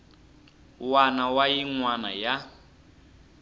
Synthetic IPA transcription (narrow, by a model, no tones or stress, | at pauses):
wanawajiŋwana̰ja